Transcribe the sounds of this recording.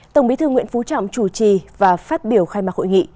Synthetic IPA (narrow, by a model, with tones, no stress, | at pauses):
t̪ə˨˧˩wŋ͡mɓi˨˦t̪ɨ˧ŋwḭ˧˥ənfu˨˦t͡ɕɔ̰˧˨wŋ͡mt͡ɕu˧˩t͡ɕi˨˩vaː˨˩faː˦˥t̚ɓi˧˩əwxaː˧jmaː˨˩ho̰˧˨jŋḭ˧˨